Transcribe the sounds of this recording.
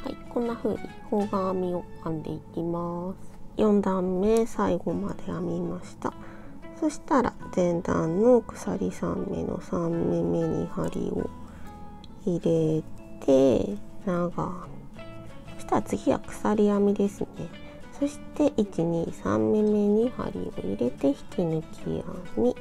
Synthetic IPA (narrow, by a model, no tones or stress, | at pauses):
ha̰ikõ̞nːaɸɯ̟̰ːɲ̟ikʰo̞ːɡamʲio̞kːãnd̪e̞̰ikʲimasɨ̥jõ̞nd̪ãmːe̞saiɡo̞mad̪e̞jamʲimaɕi̥t̪a | so̞ɕi̥t̪aɾa̰d̪̥ẽ̞nd̪ã̰nːo̞kɯ̟̥sa̰ɾʲisã̰mːe̞̰no̞̰sãmːe̞me̞ɲ̟ḭhaɾʲḭo̰ | iɾe̞t̪ʰe̞naɡa | ɕi̥t̪at͡sɨɡʲiβa̰kɯ̥saɾʲijamʲid̪e̞sɨne̞ | so̞ɕi̥t̪e̞ʔit͡ɕiɲ̟iːsã̰mːe̞me̞ɲ̟iha̰ɾʲḭo̞̰iɾe̞t̪e̞çi̥kʰʲinɯ̟kʲʰḭja̰mʲi